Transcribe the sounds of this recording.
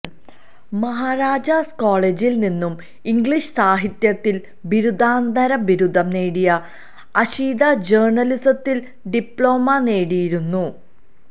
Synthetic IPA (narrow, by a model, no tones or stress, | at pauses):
mɐɦaːɾaːd͡ʑɐskoːɭed͡ʑilninːum | iŋɡɭiɕsaːɦit̪jɐt̪ːil | biɾud̪ʱaːnd̪ʱɐɾɐbiɾud̪ʱːɐmne̞ːɽijɐ | ɐɕiːd̪ɐd͡ʑeːrɳɐlisɐt̪ːil | ɖipɭo̞ːmɐne̞ːɽijiɾunːu